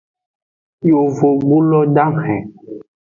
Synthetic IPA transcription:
jo˨vo˨ɡ͡bu˦lɔ˦ɖa˦mhɛ̃˨

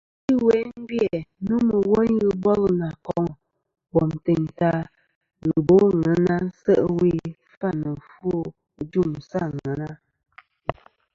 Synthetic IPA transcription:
i˦wɛ˨˦m˦bjɛ˨nu˦mə˨wɔ˦n˦ɣɨ˨bɔ˦lna˨kɔ˦˨ŋ˨ | bɔ˨m˨te˨ŋta˦ | ɣɨ˨bo˦ŋə˨˦na˦n˦sə˦ʔwi˦ | fa˦˨nə˨fo˦˨˦ | d͡ʒu˦˨m˨sa˦˨ŋɛ˨˦na˦

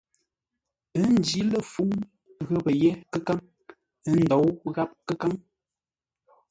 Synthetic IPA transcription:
ə˦n̩˦d͡ʒi˦lə˦˨fu˦ | ɣə˦pə˨jɛ˦kə˦ka˦ŋ | ə˦n̩˦dɔ˨˦wɣa˦p̚kə˦ka˦ŋ

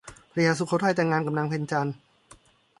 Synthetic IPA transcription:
pʰɾa˧jaː˧˥s̬u˧˦kʰo˧˦˥tʰa˧˩jt̪ɛː˨˧˩ŋːaː˧nka˧˩mnla˧ŋpʰe˧nt͡ɕa˧n

